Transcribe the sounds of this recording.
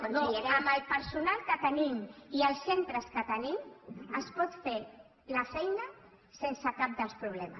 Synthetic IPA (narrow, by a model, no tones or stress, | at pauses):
unieəməlˠpəɾsunalˠkət̪ənimiəlˠsent̪ɾəskət̪əniməspɔt̪fe | ləfɛjnə | sensəkap̚d̪əlspɾuβ̞lɛmə̰s